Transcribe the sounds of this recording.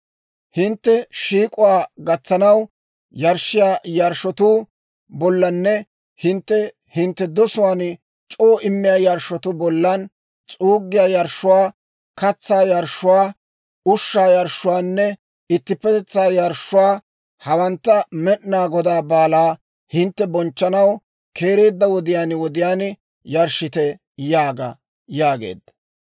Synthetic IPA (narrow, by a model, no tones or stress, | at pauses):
hɪnt̪ːɛʃiːkʼʊwaːɡɐt͡sːɐnɐw | jɐɾʃːɪjaːjɐɾʃɔt̪uː | bɔlːɐnːɛ | hɪnt̪ːɛ | hɪnt̪ːɛd̪ɔsʊwaːn | t͡ʃʼoːʔɪmːɪjaːjɐɾʃːɔt̪ʊbɔlːɐn | t͡sʼuːɡːɪjaːjɐɾʃːʊwaː | kɐt͡sːaːjɐɾʃːʊwaː | ʊʃːaːjɐɾʃːʊwaːnːɛ | ɪt̪ːɪpːɛt̪ɛt͡sːaːjɐɾʃːʊwaː | hɐwɐnt̪ːɐmɛʔnaːɡɔd̪aːbaːlaː | hɪnt̪ːɛbɔnt͡ʃːɐnɐw | kʰe̞ːɾe̞ːd̪ːɐwɔd̪ɪjaːnwɔd̪ɪjaːn | jɐɾʃɪt̪ɛ | jaːɡɐ̰ | jaːɡḛːd̪ːɐ̥